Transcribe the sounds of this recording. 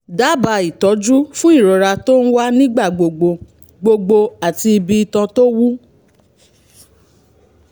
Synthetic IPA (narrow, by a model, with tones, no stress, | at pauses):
da˨˦ba˧i˨tɔ˨˦d͡ʒu˦fũ˦i˦˨ɾɔ˨ɾa˧to˦n̩˦wa˦nĩ˦ɡ͡ba˦˨ɡ͡bo˨ɡ͡bo˧ | ɡ͡bo˧ɡ͡bo˧a˨ti˧i˧bi˧i˧tã˧to˦wu˦